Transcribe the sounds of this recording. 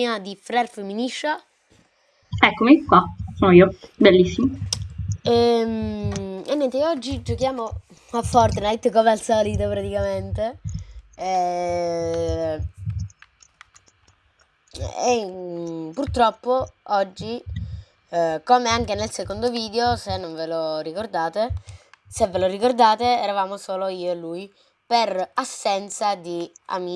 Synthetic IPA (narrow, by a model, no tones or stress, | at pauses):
ad̪ifɾɛrfemːiniʃːa | ɛkːomikːwasonoiːobelːisːimo | ɛm | enːɛnt̪eiɔd͡ʒːid͡ʒokjaːmo | afːɔrt̪najt̪komealsɔːlit̪opɾat̪ikament̪e | e | purt̪ɾɔpːoɔd͡ʒːi | koːmeaŋk̟enelsekond̪oviːd̪eosenːonvelorikord̪aːt̪esevːelorikord̪aːt̪eɛɾavaːmosoːloiːoelːuːj | perasːɛnt̪sad̪ia̰mi